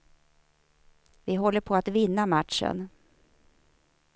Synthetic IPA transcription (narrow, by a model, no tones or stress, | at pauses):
vɪɦɔlːəɾpʰoat̪vɪnːamat̪ʂə̰n